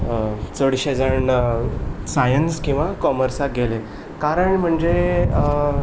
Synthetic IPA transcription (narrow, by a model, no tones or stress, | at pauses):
t͡səɽɕed͡zəɳ | sajənskĩw̃ʋakɔməɾsak̚ɡʱele | kaɾəɳm̤əɳd͡ʑe